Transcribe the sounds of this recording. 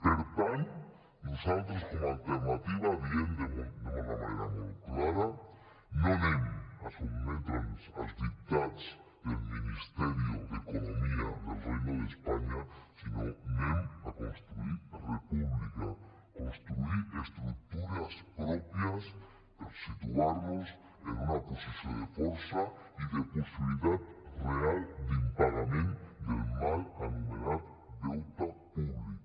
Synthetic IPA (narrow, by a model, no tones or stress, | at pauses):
eɾpan | losalt̪ɾosko̞moalt̪eɾnat̪iβaβjend̪emud̪unamananeɾa̰mujklaɾa | noneŋasulmẽnt̪alosa̰sd̪ip̚t̪at̪s | d̪elminist̪eɾjo̰ðeko̞nomia̰ðelrejnoðespaɲasinoenakonst̪ɾuiɾrepuβlika | ko̞nst̪ɾuiɾest̪ɾuk̚t̪uɾaspɾo̞pjas | d̪aɾsit̪uaɾno̞s | enunaposisjond̪efoɾsaiðeposiβiliðaðreald̪impaɾamẽnd̪elmalanimelaðo | d̪ewt̪apuβlika